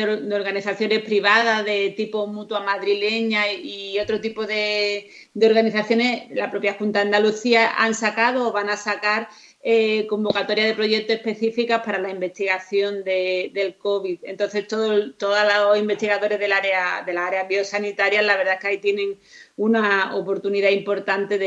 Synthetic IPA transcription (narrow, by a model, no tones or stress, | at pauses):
d̪eo̞ɾɣaniθaθjo̞ne̞hpɾiβ̞aðaðe̞t̪ipo̞mut̪wamaðɾile̞ɲaio̞t̪ɾo̞t̪ipo̞ðe̞ | d̪eo̞ɾɣaniθaθjo̞ne̞slapɾo̞pjaxunt̪aand̪aluθiaʔa̰nsakaðoːβaŋasakaɾ | eko̞mbo̞kat̪o̞ɾjaðe̞pɾo̞ʝe̞k̚t̪oehpe̞θifikapaɾalaimbe̞st̪iɣaθjo̞nd̪e̞d̪e̞lko̞βit̪e̞nt̪o̞n̟θe̞st̪oðot̪o̞ðalasimbe̞st̪iɣaðo̞ɾe̞ɦðe̞laɾeaðe̞laaɾeaβio̞sanit̪aɾjalaβeɾðaeskeait̪je̞nẽ̞ŋunaopo̞ɾt̪uniðaimpo̞ɾt̪ant̪e̞ð